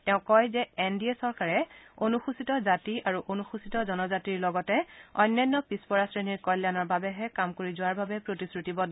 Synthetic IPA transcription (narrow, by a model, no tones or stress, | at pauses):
tɛʊ̃kɔjzɛɛndiesɔɹkaɹɛonuxusitɔzatiʔaɹuʔonuxusitɔzɔnɔzatiɹlɔɡɔtɛɔjnːɔjnːɔpispɔɹasɹeniɹkɔljanɔɹbabɛɦɛkamkoɹizʊwaɹbabɛpɹotisɹutibɔ